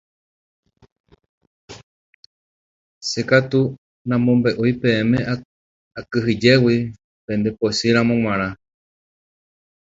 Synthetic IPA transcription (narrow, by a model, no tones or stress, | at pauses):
sekat̪u | nãmõmbe̞ʔojpẽ̞ẽmẽ | akɨɦɨd͡ʒe̞wi | pẽ̞nd̪e̞posɨɾãmõ̞ŋ̃ʷãɾ̃ã